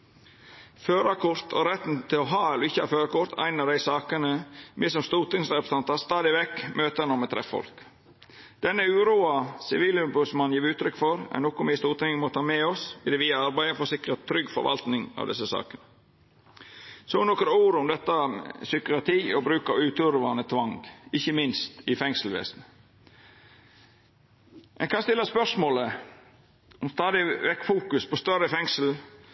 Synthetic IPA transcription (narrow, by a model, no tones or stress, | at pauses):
føːɾɑkʰʊɾt̪ʰɔ̰ɾɛt̪nt̪ʰɪlɔɦɑːɛlɔɪçːəɑføːɾɑkʊɾt̪ʰæ̰ɪnɑɖ̪æɪsɑːkənəmɪsɔmst̪uːt̪ɪŋsɾɛpɾə̥sɑnt̪ɑst̪ɑːd̪ɪʋɛkːmøːt̪ənɔmɛt̪ʰɾɛ̰fɔ̰lk | d̪̥ɛnːəʉːɾuːɑsɪʋiːlʉbʉsmɑnjiːɾʉːt̪ʰɾʏkːfɔɾæ̰nɔkʊmʋɪst̪uːt̪ɪŋəmot̪ʰɑːmɛɔsɪd̪ɛʋiːɑɑɾbæɪəfɔsɪkɾət̪ʰːɾʏɡfɔ̰ɾʋɑ̰lt̪nɪŋɑ̰ʋd̪ɛsːəsɑ̰ːkənə | soːnɔkəɾuːɾʊmd̪ɛt̪ːəsʏkʏpɑt̪ʰiːɔbɾʉːkɑʉːt̪ʉɾʋɑnət̪ʰʋɑŋɡɪçəmɪnst̪ɪfɛŋsl̩ʋḛːsn | mʔɛ̰nkʰɑnst̪ɪlːəspœʂmoːlə | ɔmst̪ɑːd̪ɪʋɛkːfuːkʉspʰɔst̪œɾəfɛŋsl̩